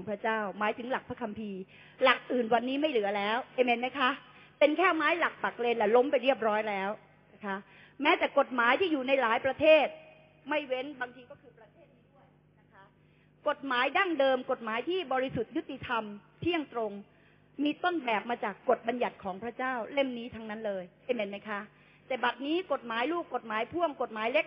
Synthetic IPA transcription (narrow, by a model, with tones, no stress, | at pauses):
ɔ˩˦ŋpʰɾa˦˥t͡ɕaː˥˩wmaː˩˦jt̪ʰɯ˩˦ŋla˨˩k̚pʰɾa˦˥kʰa˧mpʰiː˧ | la˨˩k̚ʔɯː˨˩nwa˧nːiː˦˥ma˥˩jlɯ˨˩˦ɐlɛː˦˥wʔeː˧me˧nma˦˥jkʰa˦˥ʔ | pe˧nkʰɛː˥˩maː˦˥jla˨˩k̚pa˨˩k̚leː˧nlɛː˨˩lo˦˥mpa˧jɾi˥˩əp̬̚ɾɔː˦˥jlɛː˦˥w | na˦˥kʰa˦˥ʔ | mɛː˦˥t̪ɛː˨˩ko˨˩t̪̚maː˩˦jt̪ʰiː˥˩juː˨˩na˧jlaː˨˩˦jpɾa˧t̪ʰeeː˥˩t̪̚ | ma˥˩jwe˦˥nbaː˧ŋt̪ʰiː˧kɔː˥˩kʰɯː˧pɾa˧t̪ʰeː˥˩t̪̚ːiː˥˩du˥˩əj | na˦˥kʰa˦˥ | ko˨˩t̪̚maː˩˦jda˥˩ŋdɤː˧mko˨˩t̪̚maː˩˦jt̪ʰiː˥˩bɔː˧ɾi˧su˨˩t̪̚ju˦˥t̪̚ːi˨˩t̪ʰa˧mt̪ʰi˥˩əŋt̪ɾo˧ŋ | miː˧t̪o˥˩nbɛː˨˩p̚maː˧t͡ɕaː˨˩kːo˨˩t̪̚ba˧nja˨˩t̪̚kʰɔː˩˦ŋpʰɾa˥t͡ɕaː˥˩wle˥˩mniː˦˥t̪ʰa˧ŋna˦˥nlɤː˧ja˥˩jme˩˦ma˦˥jkʰa˦˥ | t̪ɛː˨˩ba˨˩t̪̚niː˦˥ko˨˩t̪̚maː˩˦jluː˥˩kːo˨˩t̪̚maː˩˦jpʰu˥˩əŋko˨˩t̪̚maː˨˩˦jle˦˥k̚